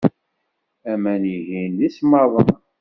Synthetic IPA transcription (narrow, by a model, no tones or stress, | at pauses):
æmænjiʝinlismɑðˤən